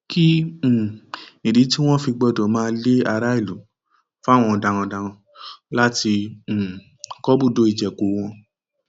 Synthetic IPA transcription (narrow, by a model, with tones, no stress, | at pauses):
kʰĩ˦˨ | i˨ɾi˨˦ti˦w̃ɔ̃˦fi˧ɡ͡bɔ˧˨dɔ˨˦mãː˦˧˦le˦a˧ɾa˦i˦˨lu˨˦ | fa˦˨w̃ɔ̃˧dã˧w̃ɔ̃˧dã˧w̃ɔ̃˧ | la˦tĩ˧˨ | kɔ˦bu˦˨do˨˦i˦˨d͡ʒɛ˨ko˨˦w̃ɔ̃˧